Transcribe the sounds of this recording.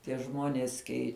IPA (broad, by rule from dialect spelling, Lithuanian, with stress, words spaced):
tʲiɛ ˈʒmuɔnʲiɛs ˈkʲɛɪ